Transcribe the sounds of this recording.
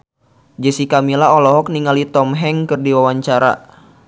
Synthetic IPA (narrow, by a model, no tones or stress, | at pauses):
d͡ʒəsikamilaɦɔlɔɦɔk̚niŋalit̪ɔmɦɛŋkɨrdiwawaɲt͡ʃaɾa̰